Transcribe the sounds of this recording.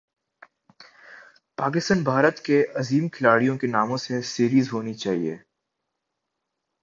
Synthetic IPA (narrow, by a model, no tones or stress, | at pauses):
paːk̬ɪst̪ənbʱaːɾət̪keɐziːmkʰɪlaːɽijõkenaːmõsesiːɾiːzɦoːnit͡ʃaːɦiḛː